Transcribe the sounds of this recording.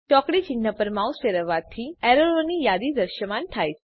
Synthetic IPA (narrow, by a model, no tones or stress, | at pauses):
t͡ʃɔkɽit͡ɕin̤ːəpəɾmauseɾəʋat̪ʰːiɛɾoɭonijad̪id̪əɾʃəmanʈʰajt͡s